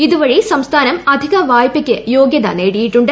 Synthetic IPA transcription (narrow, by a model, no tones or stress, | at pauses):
iðuʋɐɻisɐmst̪ʰaːnɐmɐd̪ʱiɣɐʋaːjpːikʲːɨjo̞ːɡjɐd̪ɐ̰neːɽijiʈːuɳɖɨ